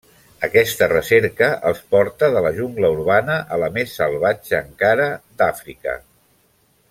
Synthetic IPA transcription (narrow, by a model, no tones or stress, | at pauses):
əkɛst̪ərəsɛɾkəʔə̰lˠspɔɾt̪əðələʒuŋɡləuɾβanəʔələmesːəlˠβad͡ʒəːŋkaɾəd̪afɾikə̰